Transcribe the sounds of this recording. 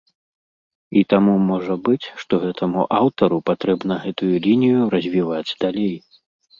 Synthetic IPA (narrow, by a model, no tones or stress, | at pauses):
it̪amumɔʐɐbɨt͡sʲʂt̪ɔɣɛt̪ʰɐmuʔawt̪ɐɾupat̪ɾɛbnɐɣɛt̪ujulʲinʲijuɾɐzʲvʲivad͡zʲd̪alʲej